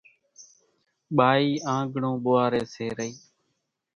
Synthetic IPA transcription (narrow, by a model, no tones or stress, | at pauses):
ɓaːiːãːŋɡʱɳõːɓʊːaːɾeːseːɾəiː